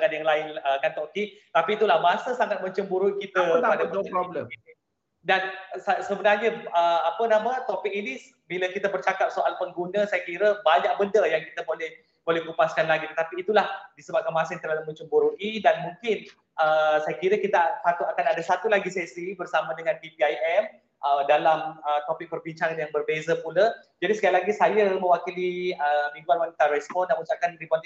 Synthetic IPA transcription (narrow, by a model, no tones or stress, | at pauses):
aŋat̪̚jaŋlaɪnəkant̪okit̪apiːt̪ulahmasəsaŋat̪̚məɲt͡ʃəmbuɾuʔikit̪əpadbləi | dansasəbənarɲəəapənamə̃t̪opɪk̚inis | biləkit̪əbərt͡ʃakap̚soʔalpʊnɡunə̃sajakiɾəbaɲak̚bəndəjaŋkit̪əbolɛh | b̥olɛhɡupaskanlaɡit̪ət̪apiːt̪ulahdisəbap̚kanmãsɪŋt̪ərlaluʔməɲt͡ʃəmbuɾuʔidanmũŋkɪn | ʔəsajəkiɾəkit̪asat̪uakanadasat̪ulaɡisɛsibərsamãdəŋãnbipiajɛm | ʔədalamət̪opɪk̚pərbiɲt͡ʃaŋanjaŋbərbezəpulə | d͡ʒadisəkajalaɡisajəmə̃wakiliəmĩŋɡuanwanit̪aɾɛspɔndanmũt͡ʃakanɾipɔnt̪